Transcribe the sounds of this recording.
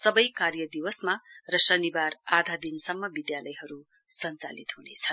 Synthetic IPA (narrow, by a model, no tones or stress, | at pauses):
sʌbʌjkarjʌd̪iwʌsmarʌsʌnibarad̪ʱad̪insʌmːʌbid̪jalʌjɦʌɾu | sʌnt͡sa̰lit̪ɦunet͡sʰʌn